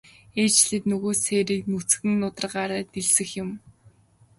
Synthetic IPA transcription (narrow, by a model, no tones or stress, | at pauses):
eːt͡ɕɮɘ̆t̪nɵɣoːseːɾiːknut͡sxɘ̆nːʊt̪ə̆rɢaːɾaːt̪eɮsɘ̆xjʊ̆m